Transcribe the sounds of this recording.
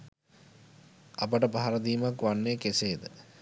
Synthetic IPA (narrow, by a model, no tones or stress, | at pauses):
apəʈəpaɦaɾəd̪iːmakʋanːeːkeseːd̪ə